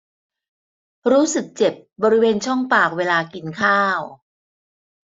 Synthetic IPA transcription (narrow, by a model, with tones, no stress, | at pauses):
ɾuː˦˥sɯ˨˩k̚t͡ɕe˨˩p̚bɔː˧ɾi˦˥weː˧nt͡ɕʰɔ˥˩ŋpaː˨˩k̚weː˧laː˧ki˧nkʰaː˥˩w